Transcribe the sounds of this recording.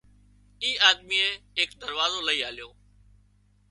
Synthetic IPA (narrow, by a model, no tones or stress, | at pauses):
iːʔaːd̪miːẽːɦɪːk̚d̪əɾʋaːzoːləiːaːljoː